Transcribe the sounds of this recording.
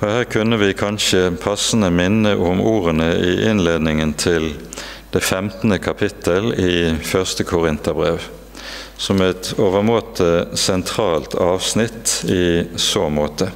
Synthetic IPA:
ɔhæːʁkʰʉnːəʋɪkʰɑnʃəpʰɑsən̩əmɪnːəʔʊmuːʁənəʔɪʔɪnleːd̪nɪŋənt̪ʰɪl | d̪̥eːfɛmt̪n̩əkʰɑpʰɪt̪ʰəliːfœʁst̪əkʰʊʁɪnt̪əbʁeːʋ | sɔmɛt̪oːʋəmoːt̪ʰəsɛnt̪ʰʁɑːlt̪ʰɑːʋsnɪt̪iːsoːmoːt̪ʰə

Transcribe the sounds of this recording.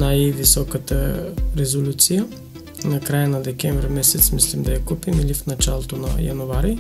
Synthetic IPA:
najvisɔkət̪əɾɛzolʲut̪sijə | nɐkɾajənɐd̪ɛkʲɛɱvɾɛmɛsɛt̪smislimd̪ɐjɐkupimilifnɐt͡ʃalˠot̪onɐ̰jɐ̰nuvaɾi

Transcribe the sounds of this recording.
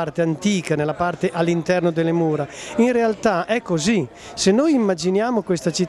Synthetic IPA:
art̪eant̪iːkanelːapart̪eʔalːint̪ɛrnod̪elːemuːɾainrealt̪aʔɛkːozi | senːojimːad͡ʒinjaːmokwest̪at͡ʃit̪

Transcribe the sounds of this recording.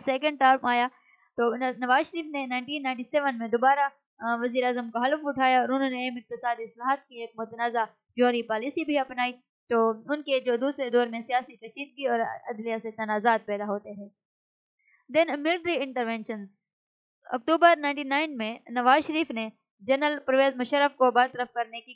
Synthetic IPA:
sɛːkə̃ɳɖʈaːɾpaːja | t̪oːnɐʋaːzʃəɾiːfnenaːɪ̃ɳʈiːnːaːɪ̃ɳʈiseːʋənmẽd̪oːbaːɾa | ʋɐziːɾeaːzəmkoɦɐlfʊʈʰaːjaɔːɾʊnɦõːneeːmɪq̚t̪ɪsaːd̪iɪslaːɦt̪kieːk̚mʊt̪ənaːza | d͡ʒoːɾipaːlisibʱiɐpnaːi | t̪oːʊnked͡ʒoːd̪uːsɾed̪ɔːɾmẽsijaːsikɐʃiːd̪̚ɡiɔːɾɐd̪lijaset̪ɐnaːzaːt̪̚pɛːd̪aɦoːt̪eɦɛ̃ː | d̪ɛnmɪlʈɾiɪ̃ɳʈəɾʋɛ̃ːnʃənz | ɐ̰k̚ʈuːbəɾnãːɪ̃ɳʈinaːɪnmẽnɐʋaːzʃəɾiːfne | d͡ʒɐɾnəlpɾɐʋeːzmʊʃəɾːəfkobaːd̪t̪əɾəfkɐɾneki

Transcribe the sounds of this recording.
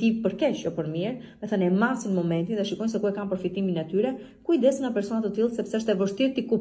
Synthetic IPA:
ipəɾkɛt͡ʃjɔpəɾmiɾmɛθənɛmasinmɔmɛnt̪inðɛʃikɔjnsɛkuɛkanpəɾfit̪iminɛt̪yɾɛ | kuid̪ɛsəŋapɛɾsɔnat̪ət̪ilˠsɛpsɛəʃt̪ɛvəʃt̪iɾt̪ikup

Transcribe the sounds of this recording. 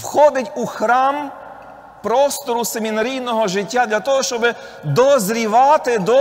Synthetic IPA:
wxɔd̪ɪtʲuxɾɑm | pɾɔst̪ɔɾusemʲinɐɾʲijnɔɦɔʒɪtʲːad̪lʲat̪ɔɦɔʃt͡ʃɔbɪ | d̪ɔzɾʲiʋɑt̪ɪd̪ɔ

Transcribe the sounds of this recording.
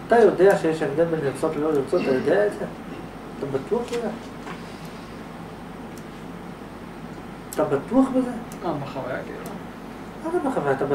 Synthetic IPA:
at̪ajodeaʃejeʃevd̪enbeniʁt͡sot̪leloliʁt͡sot̪ːajo̞d̪eaeze | at̪abat̪uaχbeze | at̪abat̪uaχbeze | abaχava̰ja̰kḛla̰ | at̪abaχavajat̪aba

